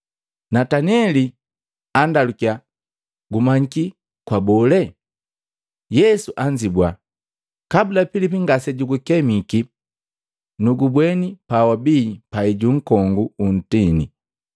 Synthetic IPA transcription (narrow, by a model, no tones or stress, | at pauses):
nataniɛli | andalukia | ɡumaɲiki | kwabɔlɛ | jɛsuʔaɲd͡ʒibwa | kabulapilipiŋɡasɛɟuɡukɛmiki | nuɡubwɛnipawabiːpaiɟuŋ̩kɔŋɡuun̩tini